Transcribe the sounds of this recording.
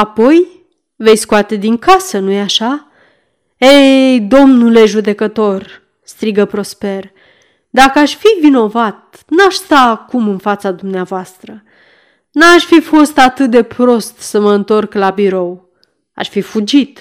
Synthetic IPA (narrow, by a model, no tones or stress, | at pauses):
apo̞j | ve̞jskoat̪e̞d̪iŋkasənujeaʃa | ejd̪o̞mnuleʒud̪e̞kət̪o̞r | st̪ɾiɡəpɾo̞spe̞r | d̪akəaʃfivino̞vat̪̚ | naʃst̪aːkumɨnfat̪sad̪umneavoast̪ɾə | naʃfifo̞st̪at̪ɨt̪̚d̪e̞pɾo̞st̪səməɨnt̪o̞rklabiɾo̞w | a̰ʃfifud͡ʒit̪